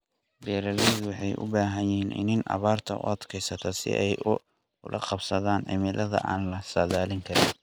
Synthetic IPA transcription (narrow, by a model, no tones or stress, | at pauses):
bɛːɾɐlɛdwɑħɑjʔʊ̰baːɦɐnɪɦiːnʔɪ̰nɪnɐ̰βaːrt̪ʰɐʊ̰ʔɐd̪kʰɛjsɐt̪ʰɔsɪ̰ʔɛjʊ | ʊlʔɐ̰qɑbsɐðaːnʕɪ̰mɪlʔɐðɐ̰ʔa̰ːnlɐsɐðaːlɪŋkʰɐɾɪn